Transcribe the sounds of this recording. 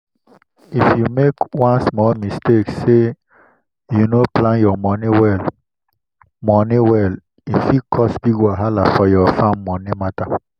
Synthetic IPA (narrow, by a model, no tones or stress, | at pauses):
ifjumekwãnsmɔlmisteksːe | junoplãnjɔmɔniwɛl | mɔniwɛl | ifikʰɔsbiɡaɦalafɔjɔfãmːɔnimata